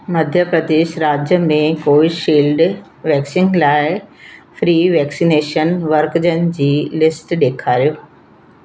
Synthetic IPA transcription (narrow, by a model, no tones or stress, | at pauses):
mɐd̪ʱjəpɾɐd̪eːʃɾaːd͡ʑjəmẽkoːɪʃiːlɖ | ʋɛːksɪ̃ŋɡlaːɪfɾiːʋɛːksineːʃənʋɐɾkd͡ʑənɪ̆d͡ʑiːlɪsʈɗeːkʰaːɾijoː